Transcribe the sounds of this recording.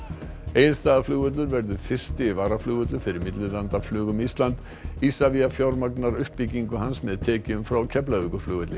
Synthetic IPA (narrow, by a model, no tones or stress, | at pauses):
eːjlst̪aːðaflʏːɣʏt̪lʏɾvɛɾðʏ̥fɪr̥st̪ɪvaːɾaflʏːɣʏt̪̬lʏfɪɾɪɾmɪt̪lʏlant̪aflʏːɣʏmist̪lant̪ | isaviafjawɾmaknaɾʏhpːicːiŋkʏɦansmɛðt̪ʰɛːcɪʏmfɾawcʰɛplavikʏflʏːɣʏt̪lɪ